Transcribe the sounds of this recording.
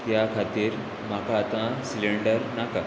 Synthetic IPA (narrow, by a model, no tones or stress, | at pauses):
t̪jakʰat̪iːɾ | makaːt̪ãsileɳɖəɾnaka